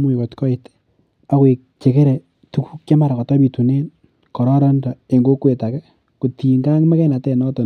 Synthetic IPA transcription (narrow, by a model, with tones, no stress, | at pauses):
mu˦i˨kɔ˨tkɔ˦i˨te̥˦ | a˦kwe˨k̚t͡ʃe˨ke˦ɾe˨ | tu˦ku˦kka˦ma˦ɾa˨kɔ˨tɔ˦bi˨tu˨ne˦n | kɔ˨ɾɔ˦ɾɔ˦nda˨e˨ŋɡo˦kwe˨ta˨kɛ˦ | ko˨ti˨ŋɡa˦ŋma˦kɛ˦na˨tɛ˦˨nɔ˦tɔ˨